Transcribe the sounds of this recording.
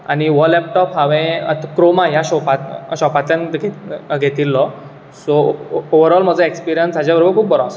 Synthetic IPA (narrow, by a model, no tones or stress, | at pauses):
aniʋɔlɛp̚ʈɔpɦaʋẽa̰t̪kɾomãjaɕɔpat̪ɕɔpat̪ljanɡʱeɡʱet̪iːlːɔ | sooʋəɾɔlm̤əd͡zəekspiɾijənsad͡ʑjabəɾobəɾkʰuːp̚bəɾãs